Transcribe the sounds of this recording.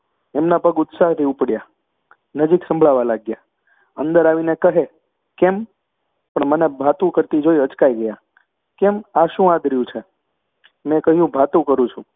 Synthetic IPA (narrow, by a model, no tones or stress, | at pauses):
emnapəɡʊt̪saɦt̪ʰiupɽja | nəd͡ʒiksə̃mbʱɭaʋalaɡja | ə̰nd̪əɾaʋinekəɦe | kem | pəɳmənebʱat̪ũkəɾt̪id͡ʒoiət͡ʃkaiɡəja | kemaʃũãd̪ɾəjũt͡ʃʰe | mɛ̃kəɦjũbʱat̪ũkəɾũt͡ʃʰũ